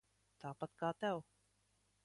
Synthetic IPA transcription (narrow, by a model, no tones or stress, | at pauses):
t̪aːpat̪kaːt̪ɛw